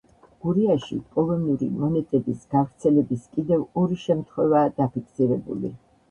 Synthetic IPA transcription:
ɡ̥uɾiaʃḭkʼɔlˠɔniuɾḭmɔnɛt̪ʼɛbisɡ̥avɾt̪sʰɛlɛbiskʼid̪ɛvɔɾiʃɛmt̪ʰχwɛvaːd̪̥apikʰsiɾɛbṵlḭ

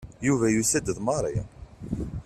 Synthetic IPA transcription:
juvæjusæd̪əðmɑɾˤi

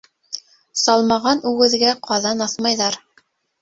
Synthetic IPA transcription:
sɑlˠmɑʁɑnʉɡɘ̆ðɡæqʰɑðɑnɑθmɑjðɑɾ

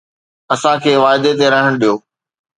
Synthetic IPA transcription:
ɐsãkʰeːʋaːɪd̪et̪eɾɐɦəɽ̃ɗijoː

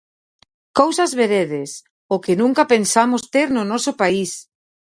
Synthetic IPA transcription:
kowsɐzβeɾeðɪs | okɪnũŋkapensamʊst̪eɾnʊnɔsʊpais

